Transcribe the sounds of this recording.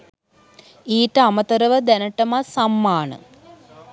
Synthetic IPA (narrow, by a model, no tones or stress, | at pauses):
iːʈəamət̪əɾəʋəd̪ænəʈəmasamːaːnə̰